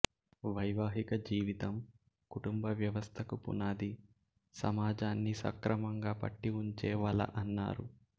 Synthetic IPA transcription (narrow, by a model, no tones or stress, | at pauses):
ʋɐjʋaːɦikɐd͡ʒiːʋit̪ɐm | kuʈumbɐʋjɐʋɐst̪ʰɐkupṵnaːd̪i | sɐ̰maːd͡ʒaːnːisɐ̰kɾɐmɐŋɡaːpɐ̰ʈːiuɲt͡ʃɛːʋɐlɐ̰ʔɐnːa̰ːɾu